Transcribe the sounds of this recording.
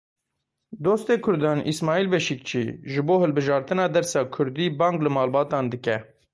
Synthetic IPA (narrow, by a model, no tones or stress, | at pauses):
d̪oːst̪eːkʰʊɾd̪ɑːnʔḭsmɑːiːlbɛʃik̚t͡ʃʰḭːʒɨboːhɨlbɨʒɑːɾt̪ɨnɑːd̪ɛɾsɑːkʰʊɾd̪iːbɑːŋɡlɨmɑːlbɑːt̪ɑːnd̪ɨkɛ